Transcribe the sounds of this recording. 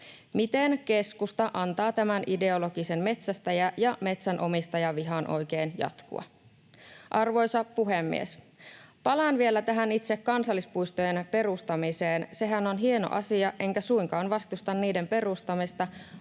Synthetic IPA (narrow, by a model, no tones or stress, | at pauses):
mit̪enke̞skust̪ɑʔɑnt̪ɑːt̪æmænʔide̞olo̞ɡise̞nme̞t̪sæst̪æjæjɑme̞t̪sænʔo̞mist̪ɑjɑʋiɦɑnʔo̞̰jke̞ːnjɑ̰t̪kṵɑ̰ | ʔɑrʋo̞jsɑpuɦemːḭes | pɑlɑnʋie̞læt̪æɦænit̪sekːɑnsɑlːispujst̪ojenpe̞ɾust̪ɑmiseːnse̞ɦæno̞nɦie̞no̞̰ʔɑ̰siɑʔe̞ŋkæsujŋkɑːnʋɑst̪ust̪ɑnːiːde̞mpe̞rust̪ɑmist̪ɑ